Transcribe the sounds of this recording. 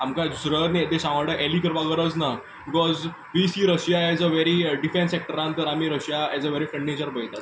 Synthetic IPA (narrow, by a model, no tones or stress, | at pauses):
amkad͡zusɾəɾnet̪eɕãʋəɽəʔelikəɾʋaɡəɾət͡sna | bbikɔz | ʋisiɾəɕjaɛd͡zəʋeɾiɖifẽnsek̚ʈəɾãnt̪əɾam̤iːɾəɕjaɛd͡zəʋeɾifɾə̃ɳɖnet͡ɕəɾbəjt̪at̪